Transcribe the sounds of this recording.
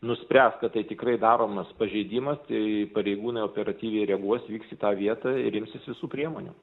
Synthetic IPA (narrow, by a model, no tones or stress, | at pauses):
nʊsʲpʲɾʲæːskɐt̪tɐɪt̪ʲɪkɾɐɪd̪ɑːɾoːmɐspɐʒʲɛɪd̪ʲiːmɐst̪ɐɪpɐɾʲɛɪɡuːnɐɪoːpʲɛɾɐt̪ʲiːʋʲɛɪɾʲɛɡuɔsʋʲiːksit̪ɑːʋʲiɛt̪ɑɪɾɪmʲsʲɪsʋʲɪsuːpʲɾʲiɛmoːnʲṵ